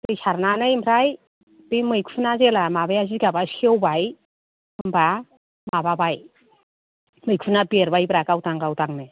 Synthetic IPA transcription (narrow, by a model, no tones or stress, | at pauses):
tɯjsaɾnanɯjmpʰɾaj | bimɯjkʰunazelamabajaziɡabasewbaj | ɯmbʰɾa | mababaj | mɯjkʰunabieɾbajbɾakawtaŋɡawtaŋne